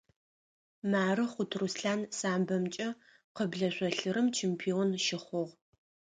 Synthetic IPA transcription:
maːrɨχʷʊtʰrusɬaːnsaːmbɐmt͡ʃʼɐ | qəbɮɐɕʷɔɬɨɾɨmt͡ʃʰeːmpʰionʃɪχʷʊʁ

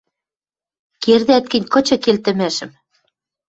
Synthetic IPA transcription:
kerðɘæt̪̚kɘ̆nʲkɤ̆t͡ɕɤ̆kelt̪ɘ̆mæʃɘ̆m

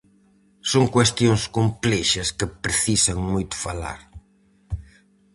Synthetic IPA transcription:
soŋkwest̪joŋskomplɛʃɐskɪpɾeθisɐŋmojt̪ʊ̥fala̰ɾ

